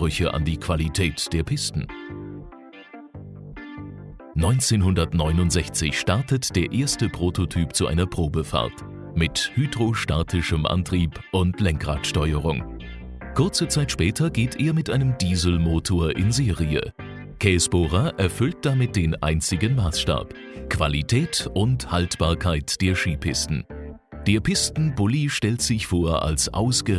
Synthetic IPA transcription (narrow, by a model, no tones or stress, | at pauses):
ʁʏçəʔa̰ndiːkv̥alitʰɛːtd̥eːɐpʰɪstn̩ | nɔʏnt͡seːnɦʊndɐtnɔʏnʊntz̥ɛçt͡sɪçʃtaɐtətd̥eːɐʔeːɐstəpʁ̥oːtʰotʰyːpt͡suʔa̰ɪnɐpʁ̥oːbəfa̰ɐt | mɪthyːdʁoʃta̰ɐtʰɪʃəmʔa̰ntʁ̥iːpʔʊntlɛŋkʁ̥aːtʃtɔʏəʁ̞ʊŋ | kʰʊɐt͡sət͡saɪtʃpɛːtʰɐɡeːtʰʔeːɐmɪtʔaɪnəmdiːzl̩moːtʰoːɐʔɪnzeːʁiə̰ | kʰɛːsb̥oʁaʔɛɐfʏlt̚d̥amɪt̚d̥eːnʔa̰ɪnt͡sɪɡənmaːsʃta̰ːp | kv̥a̰litʰɛːtʔʊnthaltb̥aːɐkʰaɪtd̥eːɐʃiːpʰɪstn̩ | d̥eːɐpʰɪstn̩bʊliʃtɛltz̥ɪçfoːɐʔa̰lsʔa̰ʊsɡ̥ə